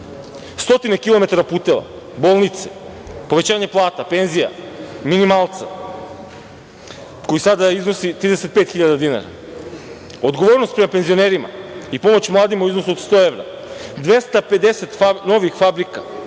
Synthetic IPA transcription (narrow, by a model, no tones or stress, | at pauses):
st̪o̞t̪inekilˠo̞met̪aɾapuːt̪ela̰ | bolˠnit̪se̥poʋe̞t͡ɕaːɲeplˠaːt̪apenzija̰ | minimalˠt̪sa | ko̞jisad̪aiznosit̪ɾid̪esepeːt̪xiʎad̪ad̪ina̰ɾa̰ | od̪ɡo̞ʋoɾnost̪pɾemapenzio̞neɾima̰ipomot͡ɕmlˠaːd̪imauiznosuot̪st̪oevɾa̰ | d̪ʋest̪aped̪eset̪fano̞ʋixfabɾika